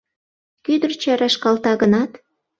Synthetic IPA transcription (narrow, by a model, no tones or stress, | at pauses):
kyd̪ərt͡ɕæɾɑʃkɑlt̪ɑɣənɑt̪